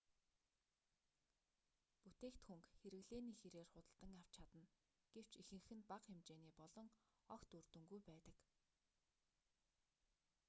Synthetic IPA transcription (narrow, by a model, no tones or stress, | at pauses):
put̪eːkt̪xuŋkxeɾɘ̆ɣɮeːniːxeɾeːrχʊt̪ə̆ɬt̪ə̆ŋjaw̥t͡ɕʰat̪ə̆n | ɡ̥ew̥t͡ɕixɘ̆ŋxɘ̆npaqxemt͡ɕeːniːpɔɮɞ̆ŋ | ɔkt̪urt̪ɵ̆ŋɡujpæːt̪ə̆k